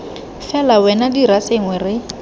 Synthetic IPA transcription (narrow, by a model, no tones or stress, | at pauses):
fɛlawɛnadiraseŋwɛrɪ